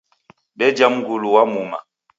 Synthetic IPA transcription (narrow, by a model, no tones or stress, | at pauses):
ɓɛd͡ʒamɡuluwamuma̰